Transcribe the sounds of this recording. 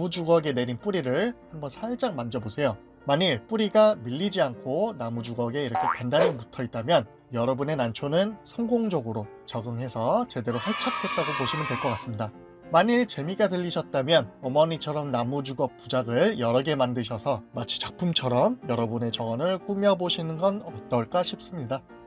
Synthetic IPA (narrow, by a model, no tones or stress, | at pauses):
ud͡ʑuɡʌɡe̞ne̞ɾinp͈uɾiɾɯɭhambʌnsʰaɭd͡ʑaŋmand͡ʑʌbosʰe̞jo | maɲiɭp͈uɾiɡamiʎːid͡ʑiankʰonamud͡ʑuɡʌɡe̞iɾʌkʰe̞kandaɲinmutʰʌit̚t͈amjʌn | jʌɾʌbune̞nant͡ɕʰonɯnsʰʌŋɡoŋd͡ʑʌɡɯɾo | t͡ɕʌɡɯŋɦe̞sʰʌt͡ɕe̞de̞ɾoɸaɭt͡ɕʰak̚ʰe̞t̚t͈aɡopoɕʰimɯndwe̞ɭk͈ʌk͈as͈ɯmɲida | maɲiɭt͡ɕe̞miɡatɯʎːiɕʰʌt̚t͈amjʌnʌmʌɲit͡ɕʰʌɾʌmnamud͡ʑuɡʌp̚p͈ud͡ʑaɡɯɭjʌɾʌɡe̞mandɯɕ̬ʰʌsʰʌmat͡ɕʰi̥t͡ɕak̚pʰumt͡ɕʰʌɾʌmjʌɾʌbune̞t͡ɕʌŋʌnɯɭk͈umjʌboɕʰinɯnɡʌnʌt̚t͈ʌɭk͈aɕʰip̚s͈ɯmɲida